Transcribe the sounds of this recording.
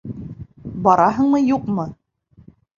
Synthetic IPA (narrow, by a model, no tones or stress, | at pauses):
bɑɾɑɦɤ̆ɴmɤjuqmɤ